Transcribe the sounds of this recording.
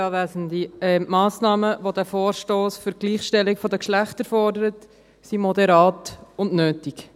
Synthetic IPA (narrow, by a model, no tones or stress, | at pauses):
ɑːʋæzəndiɛmɑːsnɑːməʋodæːfoːɾʃtoːsfʏɾɡ̥liːχʃtɛlɪkfɔdəkʃlæχtəɾfɔrdəɾət | simɔdɛɾɑːtʊnnøːtik